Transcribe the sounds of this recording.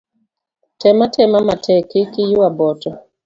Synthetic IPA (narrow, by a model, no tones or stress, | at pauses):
tɛmatʰɛmamatʰɛkɪkɪjuwabɔtɔ